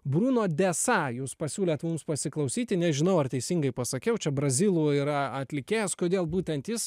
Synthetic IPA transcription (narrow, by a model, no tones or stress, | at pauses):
bɾuːnoːd̪ʲɛːsɑːjuːspɐsʲuːlʲeːt̪mumspɐsʲɪklˠɐʊsʲiːt̪ʲɪnʲɛʒʲɪnɐʊɐrt̪ʲɛɪsʲiŋɡɐɪpɐsɐkʲɛʊt͡ʃʲɛbɾɐzʲilˠuiɾɐɐt̪ʲlʲɪkʲeːjɛskoːd̪ʲeːlˠbuːt̪ʲɛnt̪jɪs